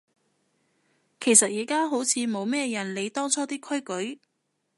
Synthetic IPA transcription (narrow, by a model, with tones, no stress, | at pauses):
kʰe˨˩jsɐ˨t̚jiː˨˩kaː˥ɦo˨˥wt͡sʰiː˨˧mo˨˧wmɛː˥jɐ˨˩nle˨˧jt̪ɔː˥ŋt͡sʰɔː˥t̪iː˥kʰɵ˥jkɵ˨˥ɥ